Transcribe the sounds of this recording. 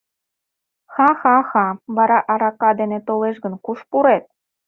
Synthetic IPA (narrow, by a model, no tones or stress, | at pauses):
xɑxɑxɑβɑɾɑʔɑɾɑkɑd̪enet̪oleʃɣə̆nkuʃpuɾet̪̚